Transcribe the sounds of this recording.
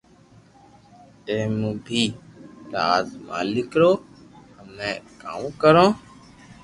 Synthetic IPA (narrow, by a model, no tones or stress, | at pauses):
tẽːmũːbʱiːɾaːzmã̰ːlɪkɾoː | həmẽːka̰ːmkəɾõː